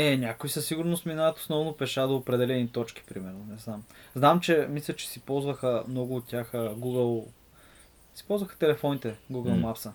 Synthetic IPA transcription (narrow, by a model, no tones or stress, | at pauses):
ɛnʲakʊisəsiɡʊɾnʊst̪minat̪o̥snɔvnopɛʃad̪oopɾɛd̪ɛlɛnit̪ɔt͡ʃki̥pɾimɛɾnonɛznamznamt͡ʃɛmislʲət͡ʃɛ̥sipɔlˠzvəxəmnɔɡʊːt̪̚tːʲjaxəɡuɡəlˠ | si̥pɔlˠzvəxə̥t̪ɛlɛfɔnit̪ɛɡuɡəlˠmapsə